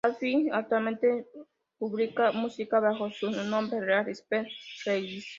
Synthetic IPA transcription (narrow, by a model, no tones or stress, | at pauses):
afiak̚t̪walment̪e | puβlikamusikaβaxosuunombereaɾisperejd̪is